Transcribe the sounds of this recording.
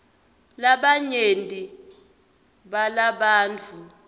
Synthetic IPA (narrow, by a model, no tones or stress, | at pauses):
laɓaɲentʼi | ɓalaɓaːnt͡fʰu